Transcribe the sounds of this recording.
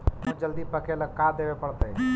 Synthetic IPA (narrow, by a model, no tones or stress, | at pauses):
mõd͡ʒəld̪ipəkʰeləɡ̚kad̪eːʋepəɽt̪ə